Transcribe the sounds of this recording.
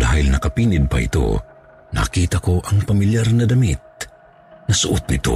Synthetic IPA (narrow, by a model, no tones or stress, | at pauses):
d̪a̰ːhilnɐkapiːnɪd̪̚pɐ̰ʔɪ̰t̪o̰ | nɐ̰kiːt̪akoʔɐŋpamiljarnɐd̪ɐmit̪̚ | nɐsʊʔʊt̪̚nɪ̰t̪o̰